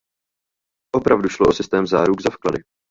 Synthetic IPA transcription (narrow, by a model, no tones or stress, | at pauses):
ʔo̞pɾavduʃloʔosɪst̪ɛːmzaːɾuɡzafkladɪ